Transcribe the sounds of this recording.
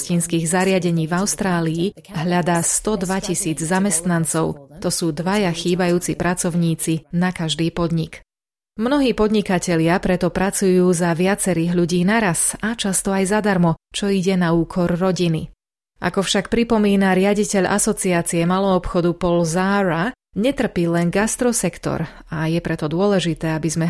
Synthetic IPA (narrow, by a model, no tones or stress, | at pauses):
ciːnskiːɣzaɾɪaɟɛɲiːvaʊst̪ɾaːliː | ɦʎad̪aːst̪ɔd̪ʋacisiːd͡zzamɛst̪nant͡sɔʊt̪ɔsuːd̪ʋajaxiːbajuːt͡sipɾʔat͡sɔʊɲiːt͡sinakaʒd̪iːpɔd̪ɲik | mnɔɦiːpɔd̪ɲikacɛʎɪapɾɛt̪ɔpɾat͡sujuːzaʋɪat͡sɛɾiːɣʎuɟiːnaɾasat͡ʃast̪ɔajzad̪aɾmɔt͡ʃɔiɟɛnauːkʰɔɾːɔɟinḭ | ʔa̰kɔfʃak̚pɾipɔmiːnaɾɪaɟicɛʎʔa̰sɔt͡siaːt͡siɛmalɔːpxɔd̪upɔlzaːɾa | ɲɛt̪r̩piːlɛnɡast̪ɾɔsɛkt̪ɔ̰ɾ | ajɛpɾɛt̪ɔd̪ʊɔlɛʒit̪ɛːabizmɛ